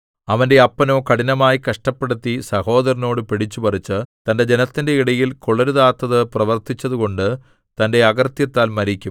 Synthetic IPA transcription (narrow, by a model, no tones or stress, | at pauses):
ɐʋɐnde̞ɐpːɐno̞ːkɐɽinɐmaːjikɐʂʈɐpːeɽut̪ːisɐho̞ːðɐɾino̞ːɽɨpiɽit͡ɕːupɐrit͡ɕːɨt̪ɐnde̞d͡ʑe̞nɐt̪ːinde̞iɽɐjilkoɭɐɾuðaːt̪ːɐðɨprɐʋɐrt̪it͡ɕːɐðuko̞ɳɖɨ | t̪ɐnde̞ɐɡɐrt̪jɐt̪ːaːlmɐɾikʲːum